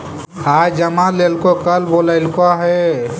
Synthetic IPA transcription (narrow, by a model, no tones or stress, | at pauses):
haːjd͡ʒəmaleːlkokəlboləɪlkaɦɛ